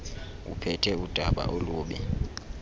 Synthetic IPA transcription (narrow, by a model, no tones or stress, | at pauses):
ṵpʰɛtʰɛud̥ʱaɓa̰ʔoluːɓɛ